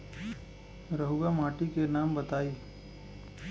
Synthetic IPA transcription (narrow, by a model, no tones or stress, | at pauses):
ɾəɦuɡamaːʈikenaːmbət̪aːiː